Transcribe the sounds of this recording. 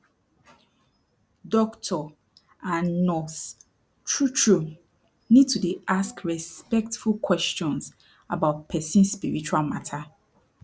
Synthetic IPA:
dɔktʰɔ | ãnnɔs | t͡ʃʰɹut͡ʃɹom | nid̚tʰudeʔaskɹɛspɛk̚tfulkʰwɛst͡ʃɔ̃ns | abaʊt̚pʰɛsĩnspḭɹit͡ʃualmatʰa

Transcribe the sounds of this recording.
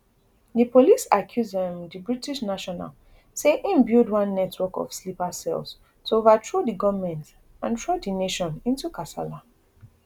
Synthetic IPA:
dipolisakʰjuzɛ̃mdibɹitiʃnaʃɔna̰l | seʔĩmbildwãnːɛtʰwɔkɔ̰fslipasɛ̰ls | toovatʰɹodiɡɔvmɛ̃nt | ãntʰɹodineʃɔ̃nĩntukasa̰la

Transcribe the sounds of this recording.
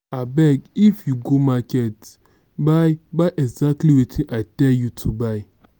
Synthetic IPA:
abɛɡifjuɡomakɛt | bajbajʔɛɡzak̚tliwetʰĩʔaɪtɛljutʰubaɪ

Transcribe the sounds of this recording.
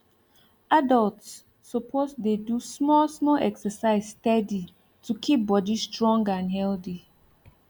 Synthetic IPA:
adaltsː | ɔpʰosdedusmɔlsmɔlʔɛ̰ksəsaɪzstɛdi | tukʰip̚bɔdistɹɔ̃ŋɡãnɦɛlθi

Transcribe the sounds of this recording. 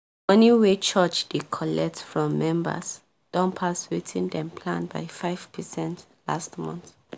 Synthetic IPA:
ɔ̃niwet͡ʃʰat͡ʃd̥ekʰɔlɛk̚tfɹɔ̃mːɛ̃mbə̰s | d̥ɔ̃npʰaswitʰĩndɛ̃mpʰlãnba̰jfaɪv̥pʰəsɛ̃nt | la̰stmɔ̰̃nt

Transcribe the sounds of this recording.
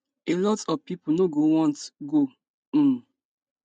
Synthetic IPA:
elɔtɔvpipunoɡowɔ̃ntɡo

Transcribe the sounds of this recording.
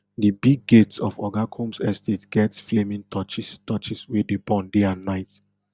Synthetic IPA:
dibiɡetsɔ̰fɔɡakʰõmsɛstetɡ̥ɛtflemĩŋtʰɔt͡ʃistɔt͡ʃiswedebɔ̃ndeãnːaɪt

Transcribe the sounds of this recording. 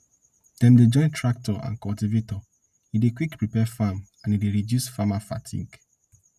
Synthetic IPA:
d̥ɛ̃mded͡ʒɔ̃ɪ̃ntʰɹak̚tɔã̰nkɔltivetɔ | idekwikpɹipɛfamãnideɾidjusfamafa̰tʰḭ̃ŋk

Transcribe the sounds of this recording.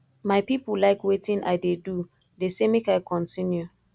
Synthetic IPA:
maɪpipulaɪkwetĩnʔa̰ɪdedu | desemekaɪkʰɔ̃ntʰĩnju

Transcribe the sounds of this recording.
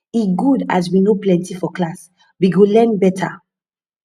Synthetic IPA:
iɡuda̰zwinoplɛ̃ntifɔklas | biɡolɛ̃nbɛtʰa̰

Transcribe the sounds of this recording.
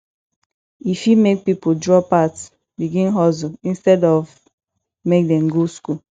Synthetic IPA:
ifimek̚pipodɹɔpats | biɡĩnɦɔzoĩnstɛdɔv | mek̚dɛ̃mɡoskul

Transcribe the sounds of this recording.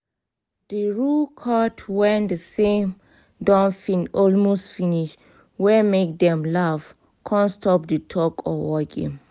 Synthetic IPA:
d̥əɹukʰɔtʰwɛ̃ndəsẽm | dɔ̃nfĩnɔlmostfiniʃ | wɛmek̚dɛ̃mlav | kʰɔ̃nstɔp̚dətʰɔkɔ̰wɔkḭ̃m

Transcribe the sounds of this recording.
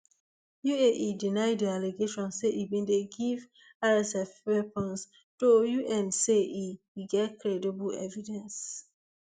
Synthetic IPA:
jueʔidinaɪdialeɡeʃɔ̃nseʔibĩndeɡiv | aɹɛsɛfwɛpɔ̃ns | d̥ojuʔɛ̃nseʔi | ɡɛtkɹɛdibəlɛ̰vidɛ̃ns

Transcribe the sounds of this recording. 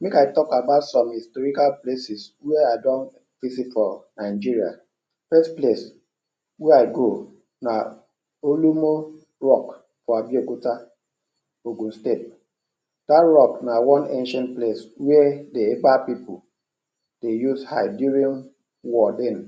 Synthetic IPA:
mekaɪtɔkabaʊtsɔ̃mhistɔɾikalplesiswɛadɔ̃n | visitfɔnaɪd͡ʒiɾia̰ | fɛsples | wɛaɪɡo | na | olumo | ɹɔk | fɔabjokuta | oɡũn̩stet̚ | d̥atɹɔknawɔ̃nẽnʃãntpleswɛdeebapipul | d̥ejuzhaɪduɾĩn | wɔden

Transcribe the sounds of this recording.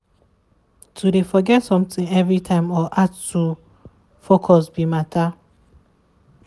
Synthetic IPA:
tʰuɾefɔɡɛtsɔ̃mtɪ̃ŋɛvɾitʰãɪ̃mɔʔattu | fokʰɔsbimatʰa

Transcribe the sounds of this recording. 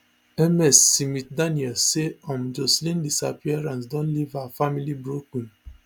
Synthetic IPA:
ɛmɛsːimit̚daniɔseɔ̃md͡ʒɔslĩndisapiɛɾãns̬dɔ̃nlivaafamilibɹokũn

